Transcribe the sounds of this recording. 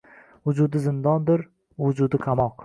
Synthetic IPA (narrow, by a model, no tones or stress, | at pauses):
vʊd͡ʒʊd̪ɪzɪnd̪ɒnd̪ɪɾ | vʊd͡ʒʊd̪ɪkʰamɒq